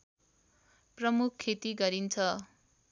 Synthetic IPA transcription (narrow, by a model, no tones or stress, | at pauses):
prʌmukʰːet̪iɡʌɾint͡sʰʌ